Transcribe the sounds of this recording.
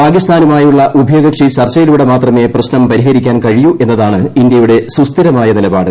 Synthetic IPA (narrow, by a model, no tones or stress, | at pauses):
paːɡist̪ʰaːnumaːjuɭːɐʔubʱjoːɡɐkʂit͡ɕɐrt͡ɕːɐjiluːɽe̞maːt̪rɐme̞ːprɐɕnɐmpɐɾiɦɐɾikʲːaːnkɐɻijuʔe̞nːɐðaːɳɨind̪jɐjuɽe̞sust̪ʰiɾɐmaːjɐnilɐba̰ːɽɨ